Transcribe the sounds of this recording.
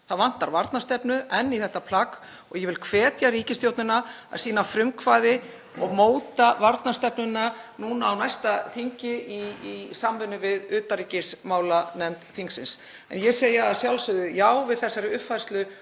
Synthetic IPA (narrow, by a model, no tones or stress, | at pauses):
θaðvan̥t̪aɾvaɾt̪nast̪ɛpnʏʔɛnːiθɛht̪apʰlak | ɔɣjɛvɪlkʰvɛːt̪jariːcɪst̪jowt̪nʏnaa̰ðsiːnafɾʏmkʰvaːðɪ | ɔɣmoːwt̪avaɾt̪nast̪ɛpnʏnanuːnaːwnajst̪aθiɲcɪiisamvʏnːʏvɪðʏːt̪ariːcɪsmaːwlanɛmt̪θiŋksɪns | ɛ̰njɛsejaaðsjawlsʏðʏjaːwvɪðθɛsːaɾɪʏpfajrst̪lʏ